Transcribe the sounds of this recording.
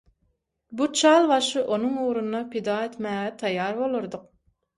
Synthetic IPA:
but͡ʃʰɑːlˠbɑʃɯʔonuŋuːɾunːɑpʰid̪ɑːet̪mæːɣɛt̪ʰɑjːɑːɾbolˠuɾd̪ʊq̚

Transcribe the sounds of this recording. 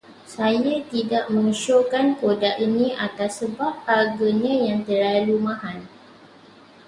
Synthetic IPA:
sajat̪idaʔmə̃ŋʃokankodaʔinĩʔat̪asːəbap̚haɡaɲãjaŋt̪ərlalumãɦan

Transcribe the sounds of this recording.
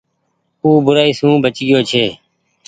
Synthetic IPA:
uːbʊɾaːiːsũːbət͡ʃɡɪjoːt͡ʃʰeː

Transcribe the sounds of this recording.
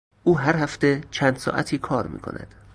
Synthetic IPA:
ʔuːɦæɾhæft̪et͡ʃʰæːnd̪sɒ̰ːʔæt̪ʰiːkʰɒːɾmḭːkʰo̞̰nʔæ̰d̪̥

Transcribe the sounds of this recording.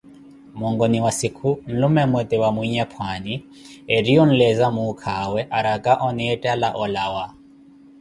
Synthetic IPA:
mɔŋɡɔniwasikʰun̩lumɛmwɛt̪ʼɛwamwiɲɛpʰwani | eɾiɔn̩lɛzamukʰawɛʔaɾakʼaʔɔnɛtʼalaʔɔlawa

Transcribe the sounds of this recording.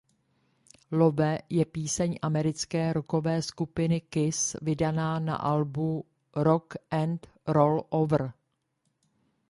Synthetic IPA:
lovɛjɛpiːsɛɲʔamɛɾɪt͡skɛːɾoko̞vɛːskupɪnɪkɪsvɪdanaːna̰ʔalbu | ɾokʔɛnt̪ | ɾolʔovr̩

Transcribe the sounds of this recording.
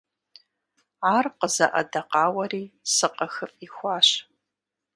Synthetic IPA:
aːrqəzɐ̰ʔɐ̰dɐqɑːwɐriːsɨqɐxɨpʼixʷɑːɕ

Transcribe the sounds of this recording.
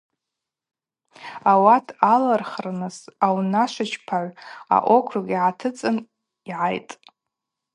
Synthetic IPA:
awatʰalarχrɨnɨsawnaʃʷɪt͡ʃʰpʰaʕʷa̰ʔʷokʷʰraɡʲʼiʕatʰɨt͡sʼɨn | iʕajtʼ

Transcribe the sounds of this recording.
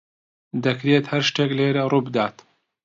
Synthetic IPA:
d̪ɐkɾeːt̪hɐɾʃt̪eːkleːɾɐruːbɨd̪aːt̪

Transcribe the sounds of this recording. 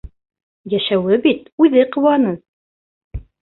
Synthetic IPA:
jæʃæwɘbit̪ʉðɘqɤ̆wɑnɤ

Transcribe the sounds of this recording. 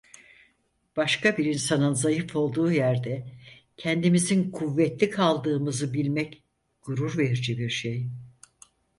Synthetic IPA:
b̥aʃkabiɾinsanɯnzajɯfo̞lˠd̪uːjæɾd̪ɛ | cʰɛnd̪imizinkʰuvːɛt̪lʲikʰalˠd̪ɯːmɯzɯbilʲmɛc | ɡ̥uɾuɾveɾd͡ʒibiɾʃej

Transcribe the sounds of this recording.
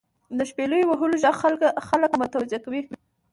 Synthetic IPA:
d̪əʃpeləjowaɦuloʒaɣxalkxaləkmət̪awzjakawi

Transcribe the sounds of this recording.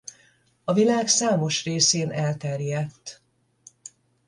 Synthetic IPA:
ɒvilaːksaːmo̞ʃreːseːnɛlt̪ɛrjɛt̪ː

